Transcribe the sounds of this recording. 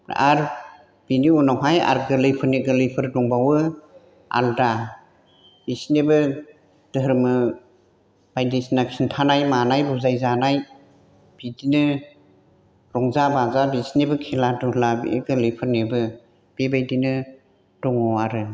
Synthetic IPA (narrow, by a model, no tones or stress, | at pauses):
a̰ɾ | b̥iniunawɦaja̰ɾɡɯlɯjpʰɯniɡɯlɯjpʰɯɾdɔŋbawɯ | a̰lda | b̥isnebɯ | d̥ɯɦɾmɯ | b̥ajdisinaksintʰanajmanajbuzajzanaj | b̥idinɯ | ɾɔŋzabazabisinibɯkʰiladuhlabḭʔeɡɯlɯjpʰɯɾnibɯ | b̥ebajdinɯ | d̥ɔŋɔwaɾɯ